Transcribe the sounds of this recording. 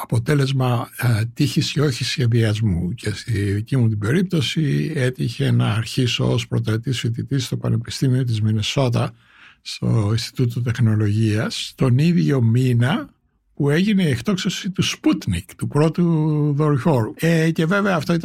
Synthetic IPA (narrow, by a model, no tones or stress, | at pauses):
ɐpo̞t̪e̞le̞zmɐt̪içiseo̞çisçe̞ðiɐzmuce̞st̪iðicimut̪̬ibe̞ɾip̚t̪o̞sie̞t̪içe̞nɐːɾçiso̞̰ospɾot̪ɾɐt̪isfit̪it̪ist̪o̞pɐ̰ne̞pi̥st̪imio̞t̪̬izmine̞so̞t̪̬ɐ | st̪o̞̰inst̪i̥t̪ut̪ot̪e̞xno̞lo̞ʝiɐst̪o̞niðʝo̞minɐ | pue̞ʝineieft̪o̞ksosit̪usput̪nikt̪upɾo̞t̪uðo̞ɾʝo̞ɾuece̞ve̞veɐːft̪o̞it̪